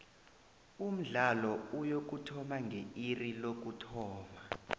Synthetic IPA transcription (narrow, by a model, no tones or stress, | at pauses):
um̩ɮalɔujok̬utʰɔmaŋɡʱeirilok̬utʰɔːma